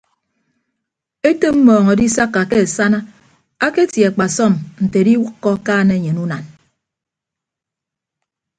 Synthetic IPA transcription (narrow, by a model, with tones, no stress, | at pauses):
e˦te˦m̩˦mɔː˨ŋɔ˨di˦sa˦kːa˨ke˦e˨sa˦na˦ | a˦ke˦tja˨k͡pa˨sɔ˦˨nn̩˨te˨˦di˦wu˦kːɔ˦kaː˦ne˦˨ɲe˨nu˦na˨n